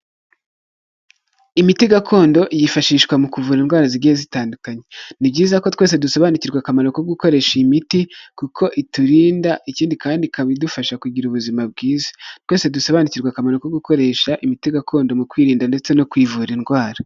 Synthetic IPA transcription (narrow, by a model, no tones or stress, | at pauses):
imitiɡakʰo̞ːndo̞ʔijifaʃiːʃkwamukuvuːɾinɡwaːɾaziɡihezitaːndukaɲe̞nibɟiːzako̞twe̞ːs̬e̞dusoβaniciɾɡwakamanokoɡuko̞ɾe̞ʃimitikukʰo̞ʔituɾiːndaʔiciːndikaːndikaβidufaʃakuɟiɾuβuzimab̚ɡiːzḁtwe̞ːsedusoβaniciɾɡwakamaɾukoɡuko̞ɾe̞ʃaʔimitiɡakʰo̞ːndo̞mukwiːɾiːndande̞t͡se̞no̞kwiːvuɾinɡwaːɾa